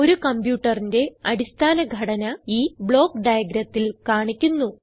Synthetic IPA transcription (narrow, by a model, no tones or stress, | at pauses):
o̞ɾukɐmpjuːʈːɐrinde̞ɐɽist̪ʰaːnɐɡʱɐɽɐnɐiːbɭo̞ːkɖɐjɐɡɾɐt̪ːilkaːɳikʲːunːu